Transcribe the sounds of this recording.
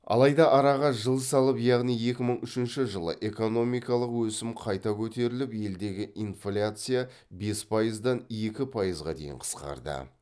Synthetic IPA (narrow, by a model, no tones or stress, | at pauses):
ɑ̰lˠɑjd̪ɑʔɑɾɑʁɑʒəlˠsɑlˠəpjɑʁnije̞kʲɪməɴʏʃɪnʃɪʒəlˠə̰ʔe̞ko̞no̞mijkɑlˠəqwɵsɪmqʰɑjt̪ɑkʲʰɵt̪e̞ɾɪlɪpje̞ld̪e̞ɡʲɪʔinflʲat̪sɨja | be̞spʰɑjəzd̪ɑne̞kʲɪpʰɑjəzʁɑ̰d̪ejɪ̰ɴqʰə̥sqɑ̰ɾd̪ə̰